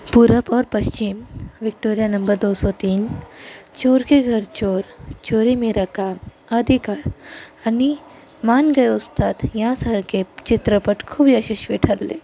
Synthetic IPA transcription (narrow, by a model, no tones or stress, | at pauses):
puɾəpɔːɾpəɕt͡ʃimʋik̚ʈoːɾijanəmbəɾd̪osɔt̪iːn | t͡ʃoːɾkeɡʱəɾt͡ʃoːɾt͡ʃoːɾemeɾakam | əd̪ʱikaɾani | maːnɡəjust̪aːt̪jãsəɦɾket͡ɕit̪ɾəpəʈkʰuːbʱiəɕiɕʋiʈʰəɾlḛ